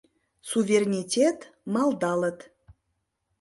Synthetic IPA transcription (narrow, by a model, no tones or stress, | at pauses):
suvʲerʲnʲitʲet̪mɑlˠd̪ɑlə̆t̪